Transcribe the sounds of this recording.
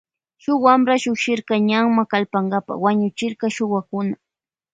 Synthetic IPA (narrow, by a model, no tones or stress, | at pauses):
ʃʊwamɾaʃʊkʃɪɾkɑɲaŋmakalpaŋɢapa̰waɲʊt͡ʃɪɾkɑʃʊwakʊna